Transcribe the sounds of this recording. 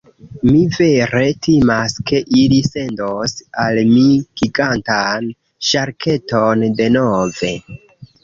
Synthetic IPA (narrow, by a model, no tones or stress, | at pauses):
mive̞ɾe̞tʰimaske̞ʔilise̞ndosalmikiɡantan | ʃaɾkʰe̞tonde̞nove̞